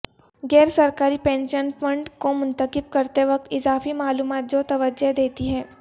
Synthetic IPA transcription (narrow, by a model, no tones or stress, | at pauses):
ɡɛːɾsɐɾkaːɾipɛ̃ːnʃənfʰə̃ɳɖkomʊ̃nt̪əkɪb̚kɐɾt̪eʋɐk̚t̪ɪzaːfimaːluːmaːt̪̚d͡ʒoːt̪ɐʋəd͡ʒeɦd̪eːt̪iɦɛː